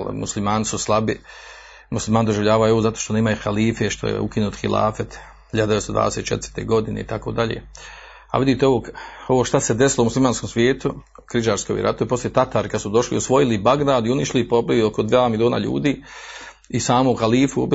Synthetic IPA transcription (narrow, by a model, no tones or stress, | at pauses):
mṵslimaːnisuslˠabi | muslimaːnd̪o̞ʒiʋʎaːʋaojoozat̪oːʃt̪oneːmajxaliːfeʃt̪o̞̰jḛṵkinuːt̪xilʔa̰ːfet̪ | hiʎad̪est̪od̪ʋa̰ːd̪eset̪t͡ʃet̪ɾt̪e̞ːɡo̞d̪inḛit̪ako̞ːd̪aʎḛː | a̰ʋid̪it̪eoʋoːko̞ʋoːʃt̪ased̪esilˠomuslimaːnskomsʋʲjeːt̪u | kɾid͡ʒaːɾskoʋḭɾʔa̰t̪oʋepo̞sljet̪at̪aɾikad̪sud̪o̞ʃlḭosʋo̞jilibaɡd̪aːd̪iuniʃilipobiʋiokod̪ʋaːmilioːna̰ʎṵːd̪iː | isaːmouxaliːfuob